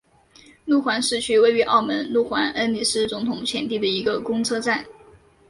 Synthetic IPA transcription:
lu˥˩xwa˧˥nʂɻ̩˥˩˧t͡ɕʰy˥we˥˩ɪy˧˥ʔɑ˥˩ʊmə˧˥nlu˥˩xwa˧˥nʔə˥nni˨˩sɹ̩˥t͡sʊ˧˥ŋt̪ʰʊ˨˩ŋt͡ɕʰjɛ˧˥nt̪̬i˥˩d̪ə˩i˧˥ɡə˧kʊ˥ŋt͡sʰɤ˥ʈ͡ʂa˥˩n

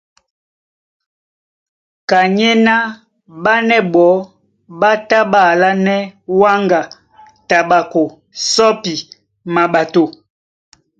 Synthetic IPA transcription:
ka˨ɲe˦na˦ | ɓa˦nɛ˦ɓɔ˨˦ | ɓa˦ta˦ba˨la˦nɛ˦wa˦ŋɡa˨ | ta˨ɓa˨ko˨ | sɔ˦pi˨ | ma˨ɓa˨to˨

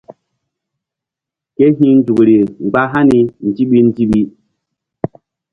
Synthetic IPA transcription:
ke˦ɦĩ˦n̩˦d͡ʒu˨kɾi˨ŋ͡mɡ͡ba˦ɦa˦ni˨n̩˨ti˦ɓi˦n̩˦ti˦ɓi˦

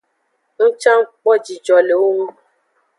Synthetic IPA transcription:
ŋ̩˦t͡ʃa˦ŋ̩˦k͡pɔ˦d͡ʒi˨d͡ʒɔ˨le˨wo˦ŋũ˦

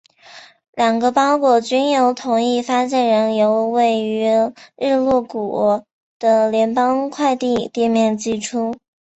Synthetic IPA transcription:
ljɑ˨˩ŋɡə˦pɑ˥ʊkwɔ˥˩t͡ɕy˥njo˧˥ʊt̪ʰʊ˧˥ŋi˥˩fa˥ɕjɛ˥˩nɻə˧˥njo˧˥ʊwe˥˩ɪy˧˥ɻɻ̩˥˧lwɔ˥˩ku˨˩ | d̪̥ə˧ljɛ˧˥npɑ˥ŋkʰwa˥˧ɪt̪i˥˧t̪i˥˧mjɛ˥˧nt͡ɕi˥˩ʈ͡ʂʰu˥

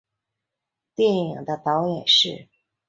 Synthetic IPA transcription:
t̪jɛ˥˩ni˨˩ŋd̪ə˦t̪ɑ˧˥ʊjɛ˨˩nʂɻ̩˥˩

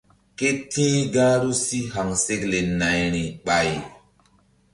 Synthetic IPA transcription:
ke˦tʰĩ˦ɡaː˦ɾu˦si˦ɦa˨ŋse˦kle˨na˨jɾĩ˨ɓa˨j

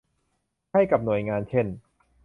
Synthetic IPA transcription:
kʰa˥˩jka˨˩p̚nu˨˩əjŋaː˧nt͡ɕʰe˥˩n

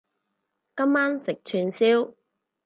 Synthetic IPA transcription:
kɐ˥mːaː˥nsɪ˨k̚t͡ʃʰyː˧nsiː˥w

